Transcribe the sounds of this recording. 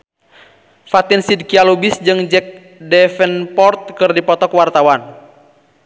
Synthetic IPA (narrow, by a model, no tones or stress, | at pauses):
fat̪insid̚kialubisd͡ʒɨŋd͡ʒɛk̚ | dɛfənpɔrt̪̚kɨrdipɔt̪ɔkwart̪awan